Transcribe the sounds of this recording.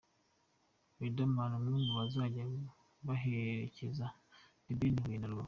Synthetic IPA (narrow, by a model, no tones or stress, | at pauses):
widamalamuːnduwazaɟa | βaɦeɾḛceza | nibiniwinalo